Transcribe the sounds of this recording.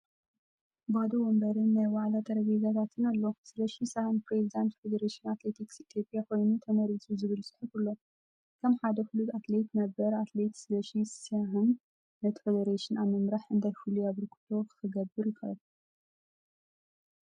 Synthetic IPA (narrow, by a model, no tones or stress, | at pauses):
bad̪owombɐɾɨnːajwaʕlat̪ʰɐɾɐɡɐɡat̪ʰat̪ʰɨnalːosɨlɐʃisahɨnpɾezid̪ant̪fed̪ɐɾeʃinat̪le̞t̪ʰiksit̪ʰjopʼjako̞jnut̪ʰɐmɐɾizʰʼuzɨβɨlsɨ̥ħɨfulːo̞ | kʰɐmħad̪ɐxulut̪at̪let̪nɐbɐɾat̪le̞t̪sɨlɐʃisaɦɨn | nɐt̪ʰi̥fed̪ɐɾeʃinamɐmɾaħɨnd̪ajfuluaβɨɾkʰu̥t̪ʰokʰɨ̥xɨɡɐbːɨɾjɪkʰɐβɐ